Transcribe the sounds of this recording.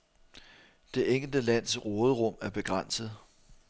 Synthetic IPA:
d̥e̝ʔeŋ̰l̩d̥əlæn̰sʁɔːðˠəʁɔ̽m̰æɐb̥e̝ɡ̥ʁɑn̰səð̩ˠ

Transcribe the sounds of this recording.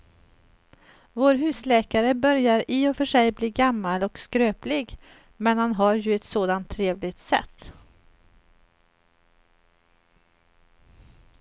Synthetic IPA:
voːɾɦʉ̟ːslɛːkaɾəbœɾjaɾɪːɔfœʂɛjbliːɡamːalɔkskɾøːplɪɡ | mɛnhanɦaɾjɵɛt̪soːd̪ant̪ʰːɾeːvlɪɡt̪sɛ̰t̪ː

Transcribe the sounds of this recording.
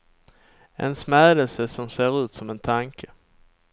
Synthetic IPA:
ʔɛ̰nsmæːd̪əlsəsɔmseːɾʉ̟ːt̪sɔmɛnt̪ʰaŋkʰə

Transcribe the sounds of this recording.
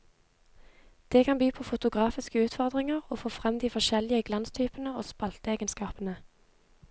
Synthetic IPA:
d̪̥eːkʰɑnbyːpʰoːfʊt̪ʊɡʁɑːfɪskəʉːt̪fɔʁd̪ʁɪŋəʁoːfoːfʁɛmd̪iːfɔʃɛlɪəɡlɑnst̪ʰyːpənəoːspɑlt̪əeːɡənskɑːpənə

